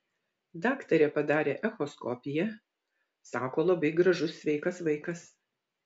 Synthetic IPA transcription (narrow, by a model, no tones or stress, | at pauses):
d̪ɑːkt̪ɐɾʲɛpɐd̪ɑːɾʲeːʔɛxɔskɔpʲɪjɛ | sɑːkoːlˠɐbɐɪɡɾɐʒʊsːʲʋʲɛɪkɐsʋɐɪkɐs